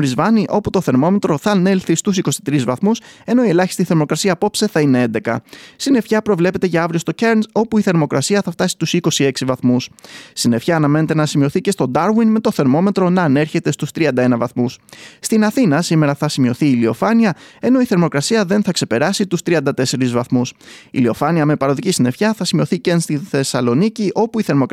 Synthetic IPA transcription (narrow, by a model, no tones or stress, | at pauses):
ɾizvɐniʔo̞put̪o̞θe̞ɾmo̞me̞t̪ɾo̞θɐne̞lθist̪usiko̞sit̪ɾizvɐθmuse̞no̞ie̞lɐçist̪iθe̞ɾmo̞kɾɐsiɐpo̞pse̞θɐine̞e̞nd̪e̞kɐ̰st̪ine̞fçɐpɾo̞vle̞pe̞t̪e̞ʝɐɐvɾiost̪o̞ceɾnso̞puiθe̞ɾmo̞kɾɐsiɐθɐft̪ɐsi̥t̪usiko̞sie̞ksivɐθmusst̪ine̞fçɐːnɐme̞net̪e̞nɐsimio̞θice̞st̪o̞d̪ɐɾwinme̞t̪o̞θe̞ɾmo̞me̞t̪ɾo̞nɐːne̞ɾçe̞t̪e̞st̪ust̪ɾiɐnd̪ɐe̞nɐvɐθmusst̪inɐθinɐsime̞ɾɐθɐsimio̞θiːlio̞fɐniɐe̞no̞iθe̞ɾmo̞kɾɐsiɐðe̞nθɐkse̞pe̞ɾɐsit̪ust̪ɾiɐnd̪ɐt̪e̞se̞ɾizvɐθmusḭlio̞fɐniɐme̞pɐɾo̞ðicisine̞fçɐθɐsimio̞θicenst̪inθe̞sɐlo̞niciʔo̞puiθe̞ɾmo̞k